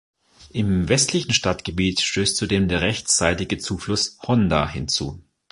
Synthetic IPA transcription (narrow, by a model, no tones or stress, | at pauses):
ʔɪmvɛstʰlɪçn̩ʃtatɡ̥əbiːtʃtøːstt͡sudeːmdeːɐʁɛçt͡saɪtɪɡət͡suːflʊshɔnda̰hɪ̰nt͡sṵː